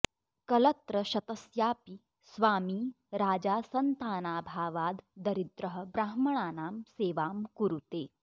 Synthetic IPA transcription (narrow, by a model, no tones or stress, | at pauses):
kɐlɐt̪ɾɐʃɐt̪ɐsjaːpi | sʋaːmiː | ɾaːd͡ʒaːsɐnt̪aːnaːbʱaːʋaːd̪ːɐɾid̪ɾɐɦə̆bɾaːɦmɐɳ̃aːnaːmseːʋaːmkuɾut̪eː